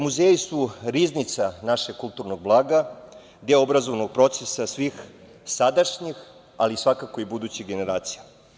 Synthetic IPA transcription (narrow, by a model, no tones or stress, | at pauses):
muzeːjisuɾiznit̪sanaʃeɡ̚kːulˠt̪uɾnoɡ̚blˠaːɡa | d̪eoobɾazoʋnoɡ̚pɾo̞t̪sesasʋix | sad̪aʃɲix | alisʋakakoibud̪uːt͡ɕiɡene̞ɾaːt̪sija